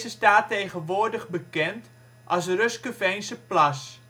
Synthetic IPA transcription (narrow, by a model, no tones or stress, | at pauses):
zəstaːtejɣənʋʊːdəɣbəkɛnt | ʔɑsrøskəfɛjnsəplas